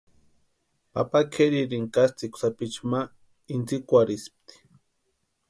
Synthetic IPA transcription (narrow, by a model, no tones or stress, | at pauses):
pa̰pakʰeɾiɾiŋkast͡sikʷsapit͡ʃma | int͡sikʷaɾisp̚t̪i̥